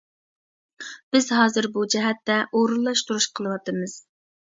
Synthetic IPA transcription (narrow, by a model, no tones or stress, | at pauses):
b̥ɪzɦɑːzɨɾbud͡ʒɛɦɛt̪ːɛʔoɾulˠːɑʃt̪uɾuʃqʰəlˠɨwɑt̪ɨmɨz̥